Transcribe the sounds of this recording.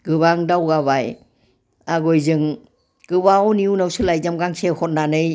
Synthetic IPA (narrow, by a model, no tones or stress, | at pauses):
ɡ̥ɯβaŋdawɡaβaj | aɡɔjzɯŋ | ɡ̥ɯβaɔniunawsɯlajzamɡaŋsehɔt̚nanɯj